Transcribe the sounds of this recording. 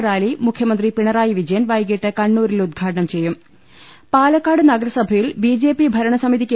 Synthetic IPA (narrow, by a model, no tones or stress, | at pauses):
raːlimukʰjɐmɐnd̪ripiɳɐraːjiʋid͡ʑɐjɐnʋɐjɣiʈːɨkɐɳːuːɾilud̪̚ɡʱaːʈɐɳɐmt͡ɕe̞jːum | paːlɐkːaːɽɨnɐɡɐɾɐsɐbʱɐjilbid͡ʑe̞ːpibʱɐɾɐɳɐsɐmiðikʲːe